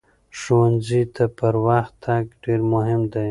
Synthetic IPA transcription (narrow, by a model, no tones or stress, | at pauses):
ʃowanzit̪ʰapəɾwaxt̪ʰːaɡɖeɾmʊɦɪmd̪aj